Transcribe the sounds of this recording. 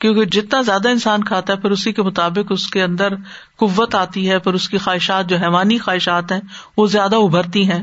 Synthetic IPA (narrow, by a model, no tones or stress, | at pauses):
kjõːked͡ʒɪt̪nazjaːd̪aɪnsaːnkʰaːt̪aɦɛpʰɐɾʊsikemʊt̪aːbɪkʊskeɐ̃nd̪əɾ | qʊʋːət̪aːt̪iɦɛpɐɾʊskixaːɦɪʃaːt̪̚d͡ʒoːɦɛːʋaːnixaːɦɪʃaːt̪ɦɛ̃ːʋozjaːd̪aʊbʱəɾt̪iɦɛ̃ː